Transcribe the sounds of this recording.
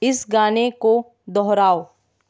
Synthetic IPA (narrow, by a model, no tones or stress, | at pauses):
ɪsɡaːneko | d̪ɔɦɾaːo